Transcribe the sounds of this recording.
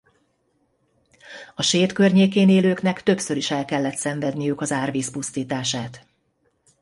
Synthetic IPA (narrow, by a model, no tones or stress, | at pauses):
ɒʃeːt̪kø̞rɲeːkeːneːløːknɛkt̪ø̞psø̞ɾiʃɛlkɛlːɛt̪sɛɱvɛd̪nijykɒzaːrviːspust̪iːt̪aːʃaːt̪